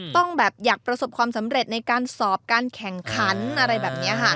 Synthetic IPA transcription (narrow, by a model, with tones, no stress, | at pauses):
t̪ɔ˥˩ŋbɛː˨˩p̚jaː˨˩k̚pɾa˧so˨˩p̚kʰwaː˧msa˩˦mɾe˨˩t̪̚na˧jkaː˧nsɔː˨˩p̚kaː˧nkʰɛ˨˩ŋkʰa˩˦˥nʔa˧ɾa˧jbɛː˨˩p̚ni˦˥ɐkʰa˥˩